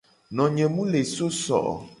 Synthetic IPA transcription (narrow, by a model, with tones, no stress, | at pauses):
nɔ̃˨ɲɛ̃˨mũ˦le˨so˦sɔ̰˨ʔɔ̰˨